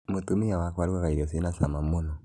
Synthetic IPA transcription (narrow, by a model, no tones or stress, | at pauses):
mutumijawakwaɾiwakaiɾɔsinasamamunɔ